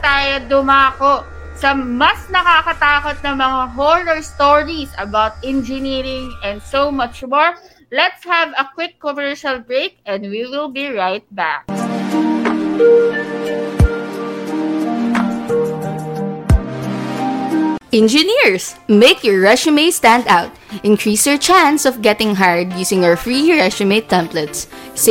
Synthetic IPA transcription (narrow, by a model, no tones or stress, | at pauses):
t̪aːjod̪ʊmaːkoʔ | sɐmɐsnɐkakɐt̪aːkot̪̚nɐŋmɐŋaɦolɔɹst̪oɹisɐbawt̪̚ʔɛ̃nd͡ʒɪniɾɪ̃ŋɛ̃nd̪somɐt͡ʃmoɹ | lɛt̪shɛvɐkwɪkːɔmɛɹʃɐlbɹeɪk̚ʔɛ̃nd̪wiwɪlbiɹajt̪̚bæ̰k̚ | ʔɛ̃nd͡ʒɪniɹsmeɪkʰjɔɹːɛʃɪmeɪst̪æ̃nd̪aʊt̪̚ | ʔɪ̃nkʰɹiːsɛɹt͡ʃæ̃nsɔfɡɛt̪ɪ̃ŋɦaɹd̪̚juːsɪ̃ŋafɹiɹɛʃɪmet̪ɛ̃mplɛt̪sː